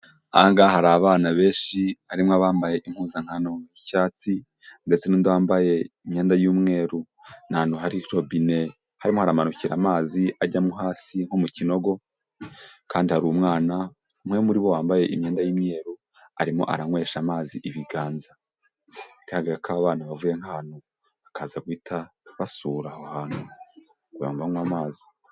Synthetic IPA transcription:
a̰ŋɡahaɾaβaːnaβe̞ːʃihaɾimŋaβaːmbaje̞ʔim̥huːzaŋ̥hanomicaːt͡si | nde̞t͡se̞nuːndawaːmbaje̞imɲeːndajuːmŋe̞ːɾu | naːnoɦaɾikɾobine̞ | haɾimo̞haɾamanuciɾa̰maːziaɟamuɦaːsiŋ̥homucino̞ɡo̞ | kaːndihaɾuːmŋaːna | umŋe̞muɾiβo̞waːmbaje̞ʔimɲeːndajiːmɲe̞ːɾu | a̰ɾimo̞̰ʔa̰ɾaŋwe̞ːʃamaːziʔiβiɡaːnza | ikaaɡaɾakaːβaːnaβavuje̞ŋ̥haːn̥u | βakʰazaɡwiːtaβasuːɾahohaːnu | kuɾa̰mvaŋwamaːzi

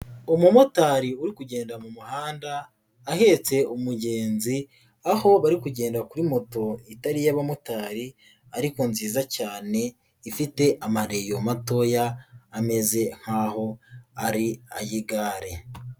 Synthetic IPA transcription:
omumotaɾiuɾikuɟe̞ːndamumuhaːndaː | he̞t͡se̞umuɟe̞ːnzi | aho̞βaɾikuɟe̞ːndakuɾimo̞to̞itaɾijaβamotaːɾi | aɾiko̞nziːzacaːne̞ | ifite̞ʔamaɾe̞jo̞mato̞jaːme̞ze̞ŋ̥haːho̞aɾia̰jiɡaːɾe̞

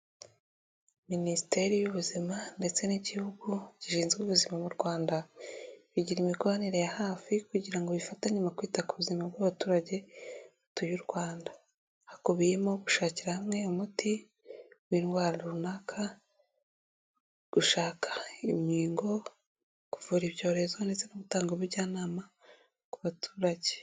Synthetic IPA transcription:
ministe̞ɾijuβuzimande̞t͡se̞niɟihuɡuɟiʃiːnzɡuβuzimamuɾɡwaːndaβiɟiɾimiɡoβaniɾe̞jahaːfikuɟiɾaŋɡoβifataɲumakwiːtakuβuzimabɡaβatuːɾaɟe̞utujuɾɡwaːnda | hakoβije̞mo̞ɡuʃaːciɾahamŋe̞omuti | wiːnɡwaːɾaɾuβunakʰa | ɡ̥uʃaːkʰḁimɲiːŋɡo̞ | kuvuɾiβjo̞ːɾe̞zonezenuβutaːŋɡoβiβɟaːnaːma | kuβatʰu̥ːɾaɟe̥

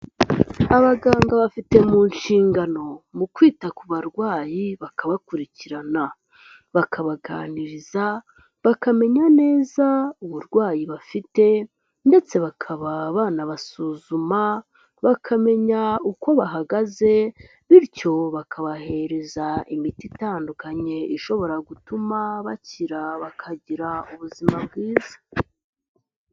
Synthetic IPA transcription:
aβaɡaːŋɡaβafite̞muːnʃiːŋɡano̞mukwiːtakuβaɾɡwaːjiβakaβakuɾiciɾana | βakʰaβaɡa̰ːniɾiza | βakame̞ɲane̞ːzauβuɾɡwaːjiβafite̞ | nde̞t͡se̞βakʰaβaβaːnaβasuzuma | βakʰame̞ɲauko̞βaɦaɡaze̞ | βiɾco̞βakʰaβahe̞ɾe̞zaimititaːndukaɲe̞iʃo̞βo̞ɾaɡutumaβaciɾaβakʰaɟiɾauβuzimabɡiːzḁ

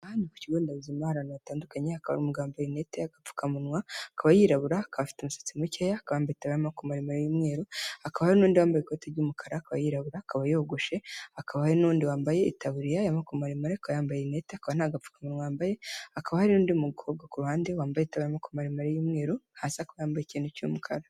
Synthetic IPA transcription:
aaniku̥ciɡoːndauzimahaɾanajataːndukaɲeakaβa̰ɾumuɡaːmbojineteaɡap͡fu̥kamunŋwakaβajiɾaβuɾaːkaβafi̥teumusḁt͡simucejakaβaːmbajetaβaɾimakumaɾimaɾejimŋe̞ːɾoakaβahaɾinuːndiβaːmbajekoteɾɟuːmukʰaɾakaβajiɾaβuɾakaβajoɡoʃeakaβahaɾinuːndiwaːmbaje̞itaβuɾijajamakumaɾimaɾeakaβajaːmbajeneteakaβanaɡafu̥kamunŋwajaːmbajeakaβahaɾinuːndimuɡuhobɡakuɾuhaːndewaːmbajeitaβaɾimakumaɾimaɾejimŋe̞ːɾohasakaβajaːmbajecinuco̰mukʰa̰ɾa

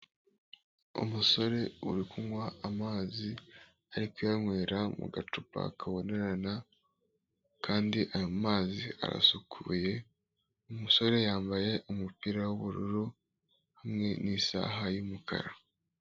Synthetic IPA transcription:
ṵmuso̞ɾe̞uɾikuŋwaamaːzi | aɾikujaɲwe̞ːɾamṵɡatupa̰kʰaβo̞ne̞ɾana | kʰaːndiʔajoumaːzia̰ɾa̰sukʰuːje̞ | umuso̞ɾe̞jaːmbaje̞ʔumupiɾawuβuɾuɾu | hamŋe̞nisa̰ɦajumukʰa̰ɾa

